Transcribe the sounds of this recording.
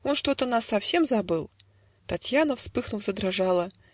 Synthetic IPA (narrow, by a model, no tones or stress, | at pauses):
o̞nʂt̪o̞t̪ənasːɐfsʲe̞mzɐbɨlˠ | t̪ɐtʲjanəfspɨxnʊvzəd̪ɾɐʐalˠə